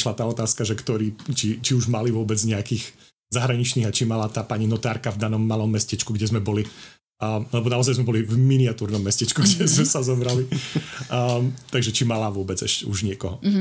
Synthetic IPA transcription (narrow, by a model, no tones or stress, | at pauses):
ʃlat̪aːɔt̪aːskaʒɛkt̪ɔɾiːt͡ʃit͡ʃiuʒmaliʋʊɔbɛd͡zɲɛakiːɣ | zaɦɾaɲit͡ʃniːɣat͡ʃimalat̪aːpaɲinɔt̪aːɾkavd̪anɔmːalɔmːɛscɛt͡ʃkuɡɟɛzmɛbɔli | lɛbɔnaɔzajzmɛbɔlivminiat̪uːɾnɔmːɛscɛt͡ʃkuɡɟɛzmɛsazɔbɾali | t̪aɡʒɛt͡ʃimalaʋʊɔbɛd͡zɛʃcɛuʒɲɪɛkɔɦɔ